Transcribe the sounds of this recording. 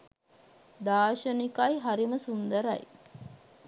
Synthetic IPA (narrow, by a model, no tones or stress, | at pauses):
d̪aːʃənikajɦaɾiməsund̪əɾɐ̰j